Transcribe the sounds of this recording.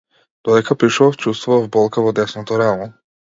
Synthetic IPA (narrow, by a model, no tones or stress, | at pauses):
d̪̥ɔɛkapɾiʃɔft͡ʃust̪vɔvbɔlˠkavɔd̪ɛsnɔt̪ɔɾɛmɔ